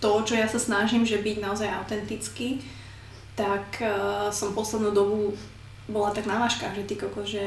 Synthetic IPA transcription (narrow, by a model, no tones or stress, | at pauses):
t̪ɔt͡ʃɔjasasnaʒimʒɛbiɟnaɔzajaʊt̪ɛnt̪it͡ski | t̪akːsɔmpɔslɛd̪nuːd̪ɔbu | bɔlat̪aɡnaʋaːʃka̰ːɣʒɛt̪ikɔkɔʒɛ